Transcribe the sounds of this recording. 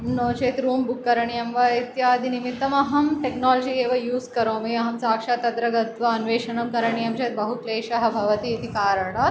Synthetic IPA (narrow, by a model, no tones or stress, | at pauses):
mnoːt͡ʃeːt̪ɾuːmbukːɐɾɐɳijɐmʋɐit̪jaːd̪ʱinimit̪ːɐmɐɦɐmʈeknɔːlod͡ʑiːkeːʋɐjuːskɐɾõːmiːɐɦɐmsaːkʂat̪ɐd̪ɾɐɡɐt̪ʋɐːnʋeːʃɐɳɐmkɐɾɐɳijɐmt͡ʃeːt̪̚bɐɦukleːʃɐɦɐbʱɐʋɐt̪iːt̪ʰikaːɾɐɳɐ